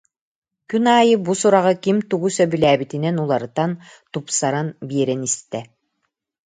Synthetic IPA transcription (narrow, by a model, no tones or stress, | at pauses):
kynaːjɯbusuɾaʁɯkimt̪uɡusœbylæːbit̪inɛnulˠaɾɯt̪an | t̪upsaɾanbiɛɾɛnist̪ɛ